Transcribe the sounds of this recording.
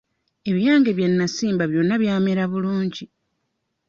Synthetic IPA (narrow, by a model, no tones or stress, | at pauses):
e̞βijaːŋɡe̞βjenːasiːmbaβjo̞nːaβjaːmeɾaβuluːɲɟi